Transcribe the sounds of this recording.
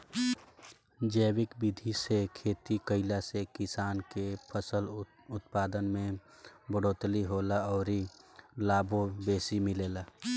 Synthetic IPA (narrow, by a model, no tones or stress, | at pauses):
d͡ʒəːwɪkbɪd̪ʱisekʰeːt̪ikəɪlasekɪsaːnkepʰəsəl | ʊt̪̚paːd̪ənmẽbəɽoːt̪liɦoːlaɔːɾilaːbʱobeːsimɪleːlaː